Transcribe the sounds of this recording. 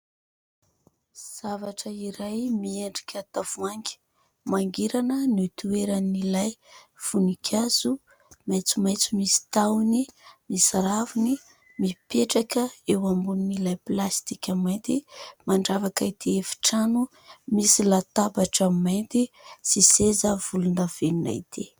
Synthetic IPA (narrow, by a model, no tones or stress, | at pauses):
z̥avaʈ͡ʂəiɾajmieɳɖ͡ʐikʲət̪av̥uaŋɡʲi̥ | maŋɡiɾanənut̪ueɾanilajv̥unikʲʰazu | majt͡sumajt͡sumisi̥t̪awnimisaɾavuni | mipeʈ͡ʂakəewambuninilajplast̪ikʲamant̪imaɳɖ͡ʐavakait̪ʰiefi̥ʈ͡ʂanu | misilat̪abaʈ͡ʂəmajnt̪isisezəv̥ulunəv̥enina̰it̪ʰi